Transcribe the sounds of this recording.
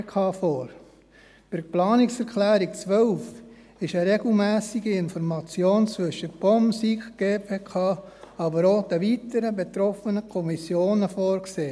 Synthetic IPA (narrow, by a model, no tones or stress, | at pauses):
kʰɑːfɔːɾ | pɪɾplɑːnɪksɛɾkʰlæːɾikt͡sʋœlf | ɪʃəɾeɡl̩mæːsiɡiɪnfɔɾmɑt͡sjoːnt͡sʋɵʃəb̥ɔmsikɡ̥eːpʰeːkʰɑː | ɑbəɾod̥̪əʋitəɾəbet̪ɾɔfənəkʰɔmisjoːnəfoːɾkseː